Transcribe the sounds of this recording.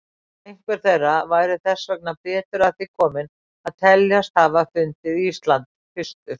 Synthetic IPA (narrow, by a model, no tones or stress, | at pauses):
ejŋ̥kvɛɾ̥θejrːavaːjɾɪθɛsːœk̚napɛːt̪ʏɾaðθɪkʰɔːmɪn | aðt̪ʰɛljast̪havafʏnt̪ɪðist̪lant̪ | fɪst̪ʏɾ̥